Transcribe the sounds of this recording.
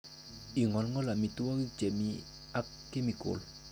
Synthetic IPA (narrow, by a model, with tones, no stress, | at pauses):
i˨ŋɔ˨lŋɔ˦la˨mi˨t̪u˦wa˦ɣi˦k̚t͡ɕɛ˨mi˦ | a˦kːe˦mi˨ko̰˨l